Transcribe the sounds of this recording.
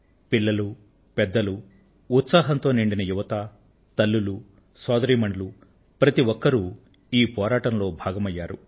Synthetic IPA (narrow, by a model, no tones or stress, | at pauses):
piɭːɐlu | pɛd̪ːɐluː | t̪saːɦɐnt̪o̞ːniɳɖinɐjuʋɐt̪ɐ | t̪ɐlːulu | saːd̪ɐɾiːmɐɳɖɐlu | pɾɐt̪iʋɔkːɐɾu | iːpɔːɾaːʈɐnlo̞ːbʱaːɡɐmɐjːaːɾu